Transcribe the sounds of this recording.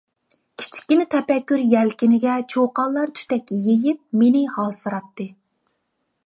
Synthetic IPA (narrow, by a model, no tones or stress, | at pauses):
kʲʰi̥t͡ʃʰi̥kʲːinɪt̪ʰɛpɛkʲːyɾjɛlkʲinɪɡʲɛt͡ʃʰoqɑlˠːɑɾt̪ʰy̥t̪ɛkʲːjejɪp̚menɪhɑlˠsɨɾɑp̚t̪ɨ